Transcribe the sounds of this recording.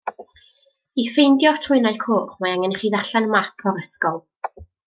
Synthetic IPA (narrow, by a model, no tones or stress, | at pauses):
ifejndjɔtʰʊɨnajkʰoːχmaaŋɛnχiːðaɬanmapʰɔɾəskɔlˠ